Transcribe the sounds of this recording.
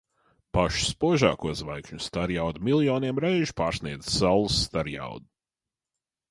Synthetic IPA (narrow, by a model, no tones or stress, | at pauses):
paʃspuɔʒa̰ːkuɔzvajkʃɲust̪aɾjawd̪umilˠjɔːniɛmɾejʒi̥paːɾsʲnʲiɛd̪zsalˠːusːt̪aɾja̰wd̪u